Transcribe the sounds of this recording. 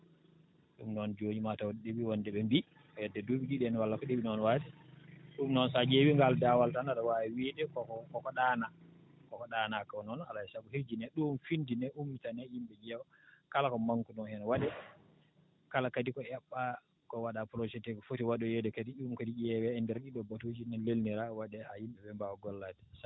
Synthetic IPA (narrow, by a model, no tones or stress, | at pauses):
ɗṵmnɔnd͡ʒoɲimatawɔɗebiwɔndɛɓɛmbi | ɔjɛdːɛdoɓiɗiɗɛnwalːakɔɗeɓinɔnwatɛɗumnɔnsad͡ʒewiŋɡaldawaltanaɗɔwawɛwidɛkɔɔkɔkɔɗaːna | kɔkɔɗanakɔnɔna̰lajɛsakuhiɾd͡ʒinɛɗumfindinɛʔumːitanɛjimbɛd͡ʒɛwɔ | kalakɔmaŋkunɔnhɛnwaɗɛ | kalakadikɔɛɓːa | kɔwaɗapɾɔsɛtɛkɔfotiwaɗɔjɛdɛkadiɗimkadiiɛwɛɛndɛɾɗiɗɔbatod͡ʒinɛlelniɾawaɗɛhajimɓɛɓɛmbawɔɡɔlːatɛ̥sa